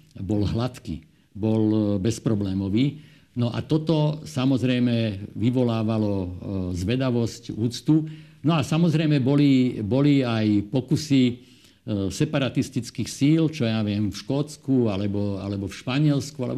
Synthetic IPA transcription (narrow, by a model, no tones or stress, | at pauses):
bɔlɦlat̪kḭ | bɔlbɛspɾɔblɛːmɔʋiː | nɔʔa̰t̪ɔt̪ɔsamɔzɾɛjmɛʋiʋɔlaːʋalɔzʋɛd̪aʋɔscuːt͡st̪unɔasamɔzɾɛjmɛbɔlibɔliajpɔkusi | sɛpaɾat̪ist̪it͡skiːxsiːlt͡ʃɔjaʋɪɛmfʃkɔːt͡skualɛbɔa̰lɛbɔfʃpaɲɪɛlskualɛ̰